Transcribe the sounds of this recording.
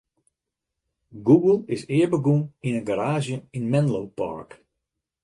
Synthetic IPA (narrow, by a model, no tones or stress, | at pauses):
ɡuɡəl̩ˠɪsɪəɹbəɡuninənɡaɾaːzjəinmɛnlowpa̰ɹk